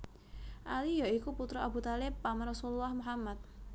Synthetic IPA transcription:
ʔalijaikuput̪ɾɔʔabut̪alɪpːamrɔsululːahmuɦamːat̪̚

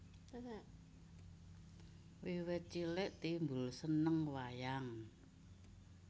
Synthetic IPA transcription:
wiwɛt͡ʃilɪʔt̪imbʊlsənəŋwajaŋ

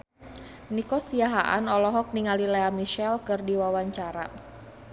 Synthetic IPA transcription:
nikɔsiaɦaʔanɔlɔɦɔk̚niŋalileamiʃɛlkɨrdiwawaɲt͡ʃaɾa

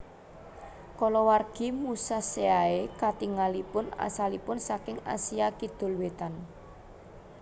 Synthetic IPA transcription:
kɔlɔwarɡ̥i̤musaseaekat̪iŋalipʊna̰salipʊnsakɪŋa̰siakid̪̥ʊ̤lwet̪an

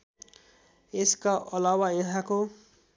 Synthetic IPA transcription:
eskaʔʌlawajʌɦãko

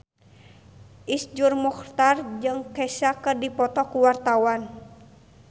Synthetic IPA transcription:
ʔisd͡ʒurmuxt̪ard͡ʒɨŋkɛsakərdipɔt̪ɔkuwart̪awan

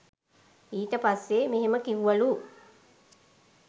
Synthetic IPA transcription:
iːʈəpasːemeɦeməkiʋuʋalu

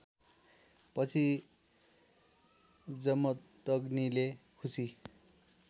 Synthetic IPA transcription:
pʌt͡sʰi | d͡zʌmːʌt̪ʌɡnilekʰusi

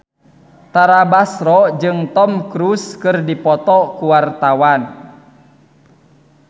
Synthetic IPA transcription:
t̪aɾabasɾɔd͡ʒɨŋt̪ɔmkɾuskɨrdipɔt̪ɔkuwart̪awan

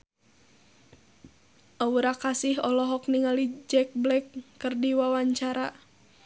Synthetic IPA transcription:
ʔauɾakasiɦɔlɔɦɔkniŋalid͡ʒɛk̚blɛkːɨrdiwawaɲt͡ʃaɾa

